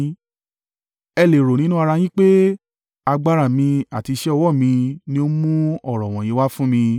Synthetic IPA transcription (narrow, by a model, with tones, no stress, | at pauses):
ɛ˧le˨ɾo˨nĩ˦nũ˦a˧ɾa˧j̃ĩ˦k͡pe˦ | a˧ɡ͡ba˦ɾa˦˨mĩ˧a˨ti˨˧˦ʃɛ˦ɔ˧wɔ˦˨mĩ˧nĩ˦o˦mũ˦ɔ˦˨ɾɔ̃˨w̃ɔ̃˨j̃ĩ˨˦wa˦fũ˦mĩ˧